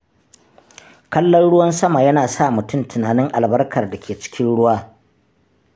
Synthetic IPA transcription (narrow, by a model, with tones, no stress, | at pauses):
kɐ˦lːɔ˦nɽʊ˦wɐ˦nsɐ˦ma˨jɐ˦naː˨sa˦˨mʊ˨tʊ˦˨mtʰʊ˨naː˨nɪ˦ŋʔa̰˨lbɐ˦rkʰɐ˨rda˨kʲeː˨t͡ʃɪ̥˦kʲɪ˦nɽʊ˦waː˦